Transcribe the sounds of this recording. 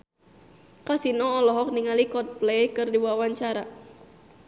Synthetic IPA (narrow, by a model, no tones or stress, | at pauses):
kasinɔːlɔɦɔk̚niŋalikɔt̪̚plɛjkɨrdiwawaɲt͡ʃaɾa